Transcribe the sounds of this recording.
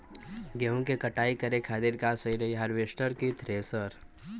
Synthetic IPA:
ɡeɦũkekɐʈaːikəɾekʰaːd̪ɪɾkasəiɾɐiɦɐɾʋeʃʈəɾkit̪ʰɾesəɾ

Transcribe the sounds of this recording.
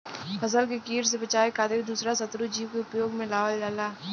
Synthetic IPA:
fɐsəlkekiːɾs̬ebɐt͡ʃaːekaːd̪ɪɾd̪uːsɾasɐt̪ɾud͡ʒiːkeʊpjoːɡmẽlaːʋəllaːlaː

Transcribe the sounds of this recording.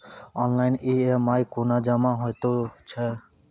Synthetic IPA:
ɔːnlaːɪniːemaːikoːnaːd͡ʒamãːɦoːjt̪oːt͡ʃʰɛː

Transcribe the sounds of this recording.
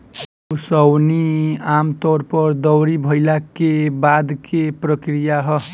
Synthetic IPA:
osʌwniamt̪ɔɾpʌɾd̪ʌwɾibʱʌjlakebad̪kʰepɾəkɾijaɦʌ

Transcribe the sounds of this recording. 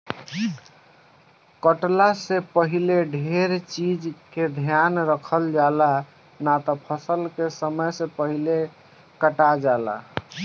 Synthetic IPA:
kəʈlasẽpəɦileɖʱeɾt͡ʃid͡ʒked̪ʱjanɾəkʰəld͡ʒala | nat̪ɔpʰəsəlkesəməjsẽpəɦile | kəʈad͡ʒala̰

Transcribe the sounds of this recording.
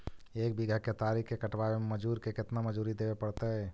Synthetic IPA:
ek̚biɡʱəket̪aɾikkekəʈbaeməd͡ʒuɾkeket̪naməd͡ʒuɾid̪ebepəɽt̪əɦ

